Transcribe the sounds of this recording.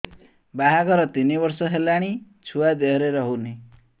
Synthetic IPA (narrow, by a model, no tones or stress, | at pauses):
baɦaɡʱɔɾɔt̪inibɔɾsɔɦelaɽ̃i | t͡ʃʰuad̪eɔɾeɾɔɦuni